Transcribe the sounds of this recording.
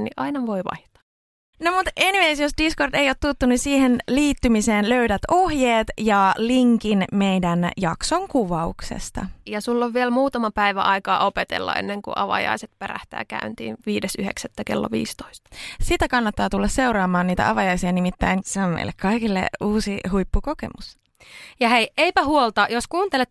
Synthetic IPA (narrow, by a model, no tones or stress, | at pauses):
niʔɑinɑʋoiʋɑ̰ht̪ɑ̥ | nomut̪enimesjosdiskorde̞ijoːt̪t̪ːut̪ːunisiːhenliːt̪ːymiseːnløydæt̪ohjeːt̪jɑliŋkinme̞jdænjɑksoŋkuʋɑṵksḛst̪ɑ̰jɑsulːoʋʋielmuːt̪ɑmɑpæiʋæ̰ʔɑikɑːʔopet̪ḛlːɑ̰ʔḛnːeŋkṵʔɑ̰ʋɑ̰jɑ̰iset̪̚peɾæ̰ht̪æ̰ːkæ̰ynt̪ḭːnʋiːdesyhḛksæt̪ːækelːo̰ʋḭːst̪oist̪ɑ̥sit̪ækɑnːɑt̪ːɑːt̪ulːɑsse̞uɾɑːmɑːnniːt̪æ̰ʔɑʋɑjɑisiɑnimit̪ːæinseommḛilːekkɑikilːḛuːsiɦujpːukokḛmus | jɑheiʔeipæhuolt̪ɑjoskuːnt̪elet̪